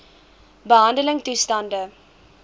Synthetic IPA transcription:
bəɦɐndələŋtustɐndə

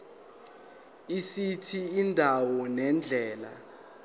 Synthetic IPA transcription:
isitʰiindʱawɔnɛnd͡ɮʱɛːla̰

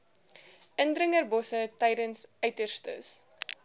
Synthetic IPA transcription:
əndrəŋərbɔsətɛjdənsœɥtərstə̰s

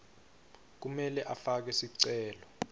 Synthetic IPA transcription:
k̬umɛlɛʔafak̬ɛsiǀɛːlɔ

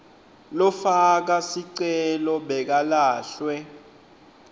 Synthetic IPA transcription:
lɔfak̬asiǀɛlɔɓɛk̬alaːɬwɛ

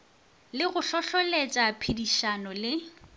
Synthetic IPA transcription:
lɪɣʊɬɔɬɔlet͡ʃʼapʰidiʃanɔlɪ

